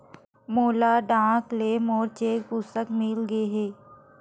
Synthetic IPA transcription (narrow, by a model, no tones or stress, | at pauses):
moːlaːɖãːkleːmoːɾt͡ʃeːkpust̪əkmɪlɡəeɦɛː